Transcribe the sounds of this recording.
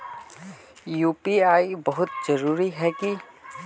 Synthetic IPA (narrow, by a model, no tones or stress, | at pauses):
juːpiaːibəɦʊt̪d͡ʒəɾuːɾiɦɛki